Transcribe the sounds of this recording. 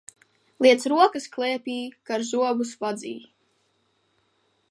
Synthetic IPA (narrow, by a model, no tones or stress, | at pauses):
lˠiɛt̪sɾuɔkɨsklˠɛɛpʲiːkaɾzuɔbusvad̪zḭː